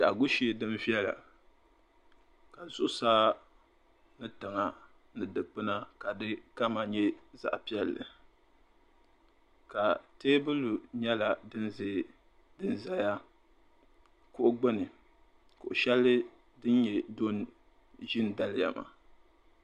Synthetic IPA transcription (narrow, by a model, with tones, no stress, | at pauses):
d̥a˨ɡʊ˦ʃi˨˦e˨dɨ˦mvi˦ɛ˦la̰˨ | ka˨zʊ˦ʔʊ˦saː˦ | nɨ˦ta˨ŋa˨ | nɨ˨dɨ˨k͡pɨ˦na˦ka˨dɨ˦ka˦ma˨ɲɛ˦za̰˦ʔpi˦ɛ˦lːɨ̰˨ | ka˨teː˦bɨ˦lu˨ɲɛ˦la˨dɨ˦nz | dɨ˦n˦za˦ja˦ | kʊ˦ʔʊ˦ɡ͡bɨ˦nɨ˨ | kʊ˨ʔʊ˨ʃɛ˦lːɨ˦ | dɨ˦n˦ɲɛ˨do˦n˦ | ʒɪ˦n˦da˨lɪ˦ja̰˨ma̰˨